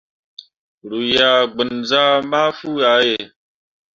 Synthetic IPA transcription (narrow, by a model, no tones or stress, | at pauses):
ɾuːjaːɡənzaːmaːfuːaːɦeː